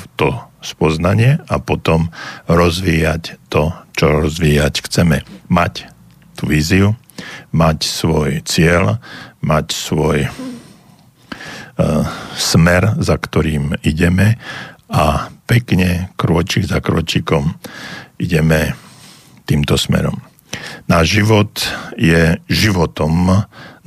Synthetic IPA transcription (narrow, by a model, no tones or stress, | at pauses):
t̪ɔspɔznaɲɪɛapɔt̪ɔmɾɔzʋiːjact̪ɔt͡ʃɔɾɔzʋiːjacxt͡sɛmɛmac | t̪uʋiːziu | macsʋɔjt͡sɪɛlmacsʋɔj | smɛɾzakt̪ɔɾiːmiɟɛmɛapɛkɲɛkɾʊɔt͡ʃiɡzakɾɔ̰t͡ʃiːkɔmʔiɟɛmɛ | t̪iːmt̪ɔsmɛ̰ɾɔ̰m | naːʒʒiʋɔt̪jɛʒiʋɔt̪ɔm